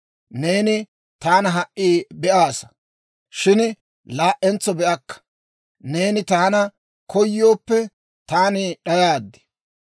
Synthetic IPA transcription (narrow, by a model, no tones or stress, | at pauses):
ne̞ːnɪ | t̪aːnɐɦɐʔʔːiːbɛʔaːsɐ̥ | ʃɪn | laːʔːɛnt͡sːɔbɛʔɐkːɐ̥ | ne̞ːnɪt̪aːnɐ | kɔjːo̞ːpːɛ | t̪aːnɪɗɐjaːd̪ːɛ̥